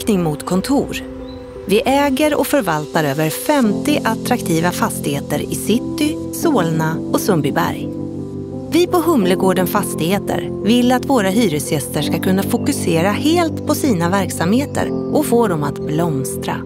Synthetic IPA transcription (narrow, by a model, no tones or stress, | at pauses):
knɪŋmʊt̪kʰɔnt̪ʰuːɾ | vɪʔɛːɡəɾɔ̰kfœɾvalt̪aɾøːvəɾfɛmt̪ɪʔat̪ɾakt̪ʰiːvafast̪ɪheːt̪əɾɪsɪt̪ːɪ | soːlnaɔsɵmbɪbæ̰ɾj | vɪpʰɔɦɵmləɡoːɖənfast̪ɪheːt̪ʰə̰ɾ | vɪlːat̪voːɾaɦyːɾɵsjɛst̪əʂkakʰɵnːafʊkɵseːɾaheːlt̪pʰɔsiːnavæɾksamheːt̪ʰə̰ɾʔɔkfoːɖ̪ɔmat̪blɔmst̪ɾa̰